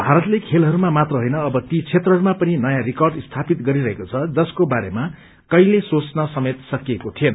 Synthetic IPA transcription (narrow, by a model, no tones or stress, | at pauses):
bʱaɾʌt̪lekʰelɦʌɾumamat̪rʌɦojnʌːbʌt̪it͡sʰet̪rʌɦʌɾumapʌninʌjãrikʌrɖst̪ʰapit̪ɡʌɾiɾʌɦekot͡sʰʌd͡zʌskobaɾema | kʌjlesot͡snʌsʌmet̪sʌkiekot̪ʰijʌn